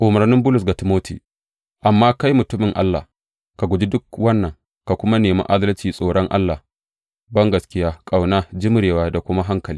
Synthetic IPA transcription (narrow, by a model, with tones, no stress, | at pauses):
ʔʊ˨mɐ˨ɾnɪ˦mbʊ˦lʊ˨s̬ɡa˨tɪ˨moː˦tʰḭː˨ | ʔa˨mːaː˦ka˦jmʊ˨tʊ˦mɪ˨ŋʔa̰˦lːa̰˨ | ka˨ɡʷʊ˨d͡ʒi˦dʊ˦kwɐ˦nːɐ˨ŋ | ka˨kʷʊ˦ma˦neː˨ma̰˦ʔa˦dɐ˦lt͡ʃiː˨sʼoː˨ɽɔ˦ŋʔa̰˦lːa˨ | bɐ˦ŋɡɐ˨skʲɪ˦jaː˦kʼa˨wnaː˦d͡ʒɪ˦m˦ɽeː˨waː˦da˨kʷʊ˦ma˦ɦa˦ŋkɐ˨liː˦